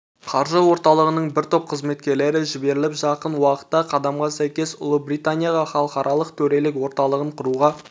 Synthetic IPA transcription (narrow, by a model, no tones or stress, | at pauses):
qʰɑɾʒəwo̞ɾt̪ɑlˠəʁənəɴbɪɾt̪ʰop̚qʰəzme̞t̪̚kʲe̞ɾle̞ɾɪʒɪbe̞ɾɪlɪpʒɑqənwɑqə̥t̪ːɑqʰɑd̪ɑmʁɑsæjkʲe̞sʊ̰lˠəbɾijt̪anʲijɑʁɑχɑlˠəqɑɾʔɑlˠəqt̪ʰɵɾe̞lɪkwo̞ɾt̪ɑlˠəʁəɴqʰʊɾuʁɑ